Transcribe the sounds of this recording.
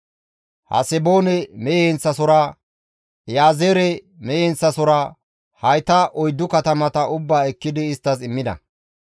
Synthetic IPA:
hɐ̰sɛbo̞ːnɛmɛjɛnt͡sːɐsɔɾɐ | jaːzeːɾɛ | mɛjɛnt͡sːɐsɔɾɐ | hɐjt̪ɐʔɔjd̪ːʊkɐt̪ɐmɐt̪ɐʔʊbːaːɛkːɪd̪ɪːst̪ːɐsɪmːɪd̪ɐ̰

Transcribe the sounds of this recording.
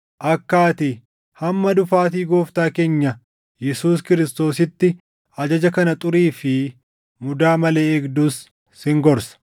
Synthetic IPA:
ʔɐkːaːt̪ɪ | hɐmːɐd̪ʊfaːt̪̬iːɡoːft̪aːke̞ːɲːɐ | jɛsuːskɪɾɪst̪o̞ːsɪt̪ːɪ | ɐd͡ʒɐd͡ʒɐkɐnɐt̪ʼʊɾiːfɪ | mʊd̪aːmɐle̞ːɛɡd̪ʊs | hɪŋɡɔɾsɐ̥

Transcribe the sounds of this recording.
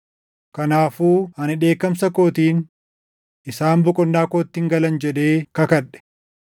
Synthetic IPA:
kɐnaːfuːɐnɪᶑe̞ːkːɐmsɐko̞ːt̪iːn | ʔɪsaːmbʊkʼɔnːaːkoːt̪ːɪːŋɡɐlɐnd͡ʒɛᶑ̪e̞ːkɐkɐᶑɛ̥

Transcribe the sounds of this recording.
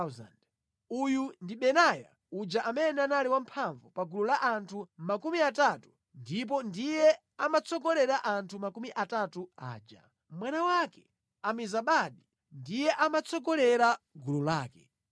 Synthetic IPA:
za̰nd | ujundiɓɛnaja̰ | ud͡ʒaʔamɛnɛanaliwam̩pʰaɱvupaɡululaʔantʰumakumiatatu̥ | ndip̬ɔndijɛ | amat͡sʰɔɡɔlɛɾaʔantʰumakumiʔatatua̰ːd͡ʒa̰ | mwanawakɛ̥ | amizaɓaɗi | ndijɛʔamat͡sɔɡɔlɛɾa | ɡululaːkɛ

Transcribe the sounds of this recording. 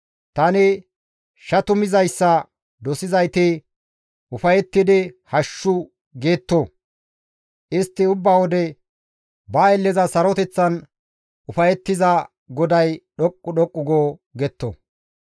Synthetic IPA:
t̪ɐnɪ | ʃɐt̪ʊmɪzɐjsːɐ | d̪ɔsɪzɐjt̪e | ʊfɐjɛt̪ːɪd̪ɪhɐʃːʊ | ɡe̞ːt̪ːo | ʔɪst̪ːɪʊbːaːwɔd̪ɛ | bɐɛlːɛzɐsɐɾɔt̪ɛt͡sːɐn | ʔʊfɐjɛt̪ːɪzɐ | ɡɔd̪ɐjɗɔkʼːʊɗɔkʼːʊɡoːɡɛt̪ːo̰

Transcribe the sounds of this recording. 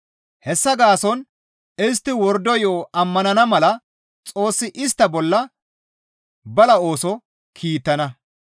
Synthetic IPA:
hɛsːɐɡaːsɔn | ɪs̬t̪ːɪwɔɾd̪ɔjoːɐmːɐnɐnɐmɐlɐ | t͡sʼo̞ːsːɪʔɪs̬t̪ːɐbɔlːɐ | bɐlɐo̞ːsɔ | kʰiːt̪ːɐnɐ

